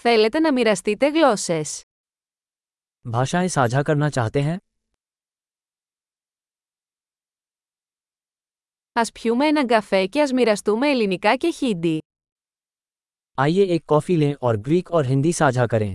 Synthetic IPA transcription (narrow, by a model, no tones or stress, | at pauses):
θe̞le̞t̪e̞nɐmiɾɐst̪it̪e̞ɣlo̞se̞s | bʱaːʃaẽsaːd͡ʒʱakɐɾnat͡ʃaːɦt̪eɦɛ̃ː | ɐspçume̞enɐŋɡɐfe̞ce̞ɐzmiɾɐst̪ume̞ːlinikɐce̞çid̪i | aːieeːkːɔːfilẽʔɔːɾbɾiːkɔːɾɦɪ̃nd̪isaːd͡ʒʱakɐɾẽː